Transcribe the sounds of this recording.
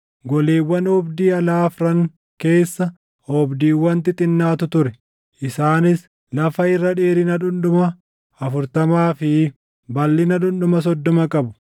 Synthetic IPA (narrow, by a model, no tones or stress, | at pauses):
ɡɔleːwːɐnɔbd̪iːɐlaːfɾɐŋ | ke̞ːsːɐ | ɔbd̪iːwːɐnt̪ɪt̪ʼɪnːaːt̪ʊt̪ʊɾɛ | ʔɪsaːnɪs | lɐfɐɪrːɐᶑeːɾɪnɐᶑʊnɗʊmɐ | ɐfʊɾt̪ɐmaːfɪ | bɐlːɪnɐᶑʊnɗʊmɐs̬ɔd̪ːɔmɐkʼɐbʊ̥